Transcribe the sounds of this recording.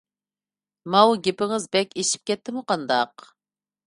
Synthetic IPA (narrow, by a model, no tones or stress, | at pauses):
mɑwɡʲepɪŋɨzbɛkʲeʃi̥p̚kʲʰɛt̪ʰːɪmuqʰɑnd̪ɑq